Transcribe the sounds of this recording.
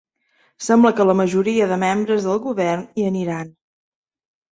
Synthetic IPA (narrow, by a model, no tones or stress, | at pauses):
sɛmbləkələməʒuɾiəðəmembɾəzðəlˠɣuβɛrniəniɾan